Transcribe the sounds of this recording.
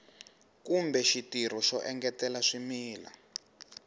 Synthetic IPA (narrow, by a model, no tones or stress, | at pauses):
kumbɛʃitir̤ɔʃɔʔɛŋɡɛtɛlaʂimiːla̰